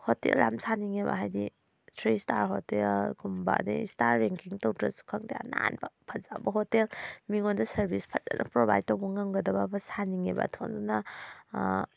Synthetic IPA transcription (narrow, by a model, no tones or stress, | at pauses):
hotḛlːamsaniŋeba̰ɦajdi | tʰɾistaɾɦotelɡumba̰nḭstaɾːeŋkiŋtowtɾɐsu̥kʰaŋdaja̰na̰nbapʰɐzabɐɦotelmiŋondɐsɐɾbʱispʰɐt̚za̰nʔɐ̰pɾobʱajd̚towbɐŋamɡɐdɐbabɐsaniŋeba̰tʰonduna